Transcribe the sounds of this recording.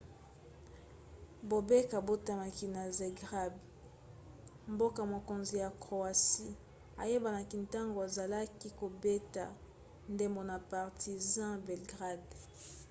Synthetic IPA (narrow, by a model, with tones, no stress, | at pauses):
bo˨be˦ka˨bo˦ta˦ma˨ki˨na˨ze˨ɡʁa˦b | mbo˦ka˨mo˨ko˨nzi˨ja˨kʁo˨a˨si˦ | a˨je˦ba˨na˨ki˨nta˦ŋɡo˨a˨za˨la˦ki˦ko˨be˦ta˨ | nde˦mbo˨na˨pa˨ʁtʰi˨zã˦bɛ˨lɡʁa˦˨d